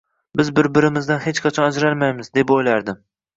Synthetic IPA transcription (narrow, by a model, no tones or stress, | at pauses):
bɪzbɪɾbɪɾɪmɪzd̪anhe̞t͡ʃqʰɑt͡ʃʰɒnad͡ʒɾalmajmɪzd̪epojlaɾd̪ɪm